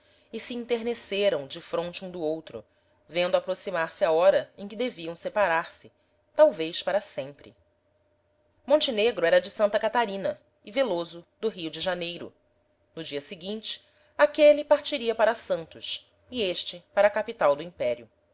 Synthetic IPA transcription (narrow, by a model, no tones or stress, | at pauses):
ɪsiĩnt̪eɾneseɾɐ̃w̃d͡ʒɪfɾõnt͡ʃɪũd̪ʊowt̪ɾʊ̰ | vẽnd̪ʊapɾosimaɾsɪaɔɾɐẽkɪd̪eviɐ̃w̃sepaɾaɾsɪ | t̪awvejʃpaɾɐsẽmpɾɪ̰ | mõnt͡ʃɪneɡɾʊɛɾɐd͡ʒɪsɐ̃nt̪ɐkat̪aɾĩnɐ | ɪvelozʊd̪ʊɦiud͡ʒɪʒanejɾʊ̰ | nʊd͡ʒiɐsɪɡĩnt͡ʃɪ̥ | akelipaɾt͡ʃiɾiɐpaɾɐsɐ̃nt̪ʊs | ieʃt͡ʃɪpaɾɐkapit̪awd̪ʊĩpɛɾiʊ